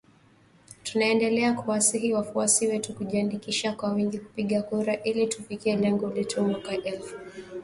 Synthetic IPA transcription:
tunaɛndɛlɛakuwasiɦiwafuasiwɛtukuʄiandikiʃakwawiŋɡiku̥piɠakuɾaʔilitufikiɛlɛŋɡɔlɛtʰumwakaʔɛlfu̥

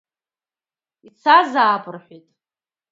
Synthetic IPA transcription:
it͡sʰazaːbʼɨrħʷitʼ

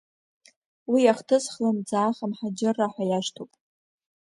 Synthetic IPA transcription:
wijaχtʰɨsχlamd͡zaːχamħad͡ʒɪrːaħʷajaʃtʰowpʼ

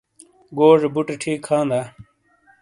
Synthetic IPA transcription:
ɡoːʐebuʈeʈʰiːkʰːãːnd̪aː

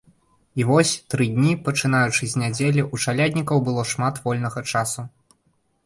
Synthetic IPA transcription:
ivɔsʲt̪ɾɨd̪ʲnʲipɐt͡ʂɨn̪ajut͡ʂɨzʲnʲad͡zʲelʲiʔut͡ʂalʲad̪ʲnʲikɐwbɨlˠɔʂmat̪vɔlʲnɐɣɐt͡ʂasu

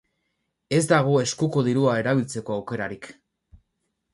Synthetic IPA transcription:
e̞zd̪aɣ̞ue̞skuko̞ðiɾuae̞ɾaβilt͡se̞ko̞awke̞ɾaɾik

